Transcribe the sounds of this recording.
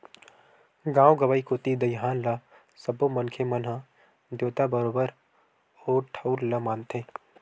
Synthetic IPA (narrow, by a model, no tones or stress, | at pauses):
ɡãːwɡɐʋaːikot̪id̪əjɦaːnla | sɐbomənkʰemɐnɦã | d̪joːt̪abəɾoːbəɾ | oːɾʈʰɐʊɾlɐmaːnt̪ʰeː